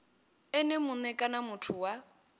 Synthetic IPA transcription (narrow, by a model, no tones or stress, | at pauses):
ɛnemʊnɛkʼanamʊtʰʊwa